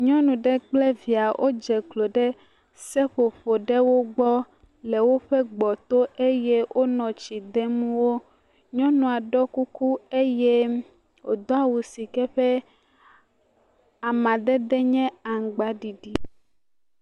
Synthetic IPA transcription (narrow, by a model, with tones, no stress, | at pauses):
ɲɔ̃˦nũ˨ɖɛ˦k͡plɛ˦vi˨a˨ʔo̰˦d͡ʒɛ˨ɡlo˨ɖɛ˦ | sɛ˦ɸo˨ɸo˨ɖɛ˦wo˦ɡ͡bɔ˦ | le˨wo˦ɸɛ˦ɡ͡bɔ˨t̪o˦e˦jɛ˦wʔo˦nɔ̃˨t͡ʃi˨d̪ɛ˦mũ˦wo˦ | ɲɔ̃˦nɔ̃˨a˨ɖɔ˦ku˦ku˦e˦je˦ | o˨d̪ɔ˦a˦wu˨si˨kɛ˦ɸɛ˦ | a˨mã˨d̪ɛ˦d̪ɛ˦ɲɛ̃˦a˨ŋ̩˨ɡ͡ba˨˦ɖi˨ɖi˨